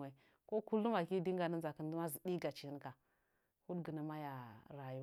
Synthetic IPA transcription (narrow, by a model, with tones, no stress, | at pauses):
a˨ | ko˦ku˦lu˦ma˨ki˦di˦ŋɡa˨nə˦nza˨kə˦n˦du˦ma˦zi˨di˦ɡa˨t͡ʃi˨˦n˦ka˨ | hu˦dɡə˨nə˨ma˦ja˨ɾa˨ju˦